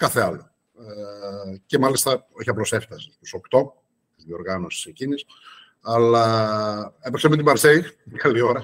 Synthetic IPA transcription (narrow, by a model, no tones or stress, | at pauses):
kɐθeɐlo̞ | ecemɐlist̪ɐo̞çiɐplo̞se̞ft̪ɐsit̪uso̞kt̪o̞ | iðio̞ɾɣɐno̞si̥secinis | ɐlɐ | epeksemet̪ibɐɾseikɐlio̞ɾɐ